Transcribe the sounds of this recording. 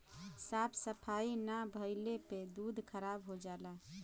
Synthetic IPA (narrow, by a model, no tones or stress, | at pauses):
sapʰsəpʰainabʱəɪleped̪ud̪ʱkʰəɾabɦod͡ʒala